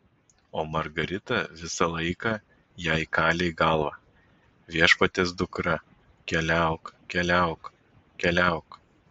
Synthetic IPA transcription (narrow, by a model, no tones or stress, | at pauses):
oːmɐɾɡɐɾʲɪt̪ɐʋʲɪsɐlˠɐɪkɐ | jæɪkɑːlʲeɪɡɐlˠʋɐ | ʋʲiɛʃpɐt̪ʲeːsd̪ʊkɾɐ | kʲɛlʲæˑʊkkʲɛlʲæˑʊk | kʲɛlʲæˑʊk